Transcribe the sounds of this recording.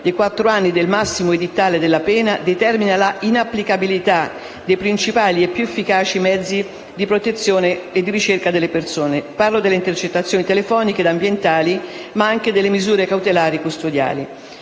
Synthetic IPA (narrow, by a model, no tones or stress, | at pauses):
d̪ejkwat̪ːɾoanːid̪elmasːimoed̪it̪ːaːled̪elːapɛːnad̪et̪ɛrminalainapːlikabilit̪a | d̪ejpɾint͡ʃipaːliepːjuefːikaːt͡ʃimɛd̪zːi | d̪ipɾot̪et̪sːjoːneːd̪ːiɾit͡ʃerkad̪elːepersoːneparlod̪elːeint̪ert͡ʃet̪ːat̪sːjoːnit̪elefɔːniked̪ambjent̪aːlimaaŋked̪elːemizuːɾekawt̪elaːɾikust̪od̪ja̰ːli